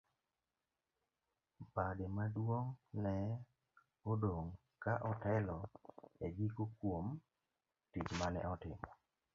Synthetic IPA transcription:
bademadwoŋnɛ | odoŋ | kaʔɔtɛlɔɛd͡ʒikokwom | tit͡ʃmanɛ̰ʔɔtɪ̰mɔ

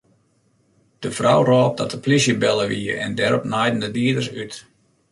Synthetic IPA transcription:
d̥əfrɔwrɔːp̚dɔtəplisjəbɛlˠəʋḭəɛ̰ndɛɾɔpnajdən̩dədiədərsyt

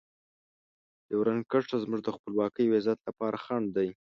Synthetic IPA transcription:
jewɾankaʈ͡ʂazmuʐd̪əxpəlwɑkəjwezat̪lapɑɾaxaɳɖd̪aj

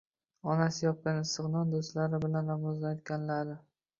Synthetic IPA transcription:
ɒnasɪjɒp̚kʲanɪst̪ɨqnɒnd̪ost̪laɾɪbɪlanlamɒzlat̪̚kʲanlaɾɪ

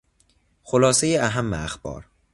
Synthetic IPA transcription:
xolɒːsejeæɦæmːḛæxbɒ̰ːɾ

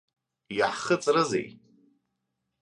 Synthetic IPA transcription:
jaħχət͡sʼrɨzḛj

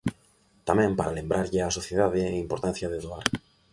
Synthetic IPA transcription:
t̪amẽmpaɾalẽmbɾʔaɾʎeasoθjeðaðeːimpoɾt̪an̟θjaðeðoaɾ

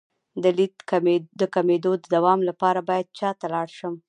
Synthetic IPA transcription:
d̪əlid̪d̪əkamed̪od̪əd̪awɑmlapɑɾabɑjad̪̚t͡ʃɑt̪alɑɽʃəm

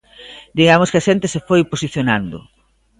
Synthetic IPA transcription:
d̪iɣamoskɪɐʃɛnt̪ɪsefojposiθjonand̪ʊ̰

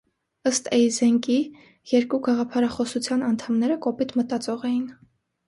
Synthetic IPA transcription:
əst̪ʰɛjzɛŋki | jɛɾkuɡɑʁɑpʰɑɾɑχɔsut͡sʰjɑnɑnt̪ʰɑmnɛɾəkɔpit̪ʰmət̪ɑt͡sɔʁɛjin

